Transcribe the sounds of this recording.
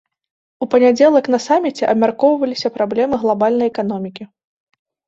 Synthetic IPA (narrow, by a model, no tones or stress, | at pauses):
upɐnʲad͡zʲɛlˠɐkn̪ɐsamʲit͡sʲɛʔɐ̰bmʲarkɔwvɐlʲisʲɐpɾablʲɛmɨɣlˠabalʲnɐjɛkanɔmʲikʲi